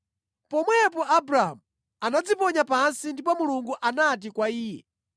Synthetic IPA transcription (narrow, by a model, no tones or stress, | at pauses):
pɔmwɛpɔʔabɾaɦa̰mu | anad͡zipɔɲapansindip̬ɔmuluŋɡuʔanat̬ikwaiːjɛ̰